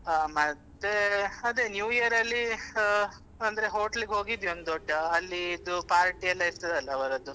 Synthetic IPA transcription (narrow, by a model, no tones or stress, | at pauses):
mɐt̪ːeɐd̪enjuːiɐɾɐlːi | ɐnd̪ɐɾeɦo̞ːʈɐliɡeɦo̞ːɡid̪io̞nd̪ɔɖːɐɐlːiːd̪upaːɾʈiɛlːɐiɾt̪ɐd̪ɐlːɐːʋɐɾɐd̪u